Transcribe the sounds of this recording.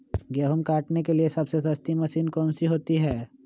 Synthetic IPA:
ɡjəːɦumkaːʈnekeliesɐbsesɐst̪imɐsiːnkɔːnsiɦoːt̪iɦɛː

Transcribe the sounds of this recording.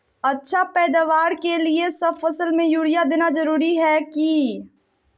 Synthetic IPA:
ɐtːʃʰapɛːd̪aːʋaːɾkeliesɐbfɐsəlmẽjuːɽɪjad̪eːnazɐɾuːɾiɦɛːki

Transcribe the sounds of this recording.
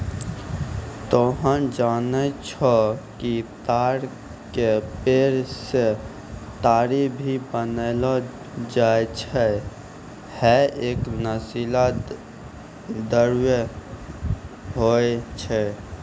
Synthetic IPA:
t̪ɔɦənd͡ʒanɛt͡ʃʰɔkit̪aɾ | kepeɾse | t̪aɾibʱibənəlɔ | d͡ʒaet͡ʃʰɛ | hɛeknəsila | d̪əɾjə | ɦoet͡ʃʰɛ

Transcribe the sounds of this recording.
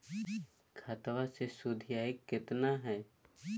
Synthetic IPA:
kʰat̪ʋasesʊd̪ʱɪjaːekːɪt̪naɦɛː

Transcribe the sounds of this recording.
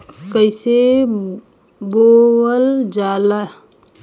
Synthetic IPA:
kəɪse | bowəld͡ʒaːla

